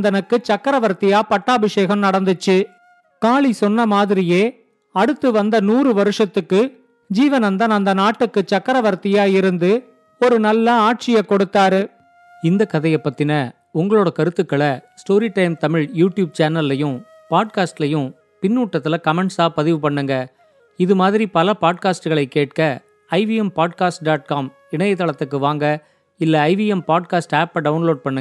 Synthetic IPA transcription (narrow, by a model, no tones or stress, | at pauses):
nd̪ɐnɯkːɯt͡ʃɐkːɐɾɐʋɐɾt̪ːɪjaːpɐʈːaːbɪʂeːɣɐmnɐɽɐnd̪ɯt͡ʃːɯ | kaːɭisɔnːɐmaːðɪɾɪjeː | ɐɽɯt̪ːɯʋɐnd̪ɐnuːɾɯʋɐɾɯʂɐt̪ːɯkːɯ | d͡ʒiːʋɐnɐnd̪ɐnɐnd̪ɐnaːʈːɯkːɯt͡ʃːɐkːɐɾɐʋɐɾt̪ɪjaːɪɾɯnd̪ɯ | ɔɾɯnɐlːɐaːʈ̚t͡ʃɪjɐkːɔɽɯt̪ːaːɾɯ | ɪnd̪ɐkɐðɐjɛpːɐt̪ːɪnɐ | ʊŋɡɐɭoːɽɐkɐɾɯt̪ːɯkːɐɭɐsʈoːɾiʈɐɪmt̪ɐmɪɻjuːʈjuːb̚t͡ʃaːnɐlːɐjɯ̃ | paːɖ̚kaːsʈlɐjɯ̃ | pɪnːuːʈːɐt̪ːɪlɐkɐmɛɳʈsaːpɐðɪʋɯpɐɳːɯŋɡɐ | ɪðɯmaːðɪɾipɐlɐpaːɖ̚kaːsʈɯɣɐɭɐɪkːeːʈ̚kɐ | ɐɪʋijɛmpaːɖ̚kaːsʈɖaːʈ̚kaːm | ɪɳɐjɐt̪ːɐɭɐt̪ːɯkːɯʋaːŋɡɐ | ɪlːɐːɪʋijɛmpaːɖ̚kaːsʈaːpːɐɖɐʊnloːɖ̚pɐɳːɯŋ